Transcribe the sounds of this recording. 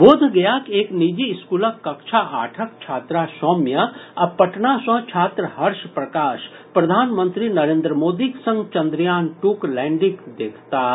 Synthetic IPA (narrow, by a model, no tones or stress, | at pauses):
boːd̪ʱɡɐjakeːknid͡ʒiskuːləkːɐkʃʰaʔaːʈʰəkt͡ʃʰaːt̪ɾasɔːmjaɐpɐʈnasə̃ɦt͡ʃʰaːt̪ɾəɦɐɾʃpɾɐkaːʃ | pɾɐd̪ʱaːnmə̃nt̪ɾinɐɾẽːnd̪ɾəmoːd̪iksɐ̃ŋɡt͡ʃɐ̃nd̪ɾjaːnʈuːklɛ̃ːɳɖikd̪eːkʰt̪aː